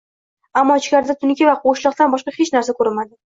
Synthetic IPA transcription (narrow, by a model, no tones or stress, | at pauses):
amːɒt͡ʃkʲaɾɪd̪at̪ʰʊnkʲɪvaqʰoʃlɒq̚t̪anbɒʃqɑhet͡ʃnaɾsakʰɵɾɪmad̪ɪ